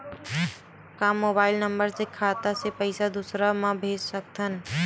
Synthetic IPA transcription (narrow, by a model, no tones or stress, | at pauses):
kãmːoːbaːɪlnəmbəɾd͡ʒekʰaːt̪asepəɪsad̪usɾamãbʱeːd͡ʒsək̚t̪ʰən